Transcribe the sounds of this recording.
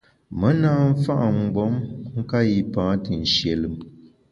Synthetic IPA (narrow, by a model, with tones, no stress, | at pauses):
mə˨˦naː˦m̩˦fa˦ʔa˨ŋ̩˨ɡ͡bɔ˨˦mŋ̩˦ka˦ji˨pãː˨˦tɨ˨n̩˨ʃje˨lɨ˨˦m